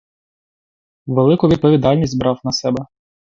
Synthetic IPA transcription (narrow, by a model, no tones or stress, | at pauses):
ʋelˠɪkʊʋʲid̪̚pɔʋʲid̪ɑlʲnʲisʲt̪ʲbɾɑwnɐsɛbɛ